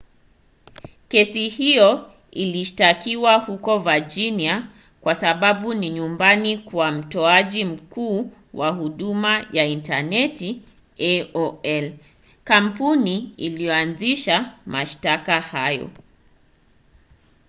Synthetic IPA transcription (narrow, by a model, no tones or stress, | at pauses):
kɛsihijɔ | iliʃtakiwahukɔvad͡ʒinia | kwasaɓaɓuniɲumbanikwam̩tɔaʄim̩kuː | waɦuɗumajaintanɛti | ɛɔɛl | kampuniːlijɔanziʃamʔaʃtakahajɔ̰